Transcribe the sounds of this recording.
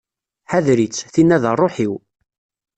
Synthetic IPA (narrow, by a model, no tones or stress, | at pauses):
ħaðɾit͡sːθinːæðərˤːoħiw